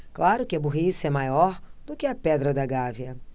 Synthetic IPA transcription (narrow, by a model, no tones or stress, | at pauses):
klaɾʊkɪɐbuɦisɐɛmajɔɾd̪̥ʊkɪɐpɛd̪ɾɐd̪ɐɡaviɐ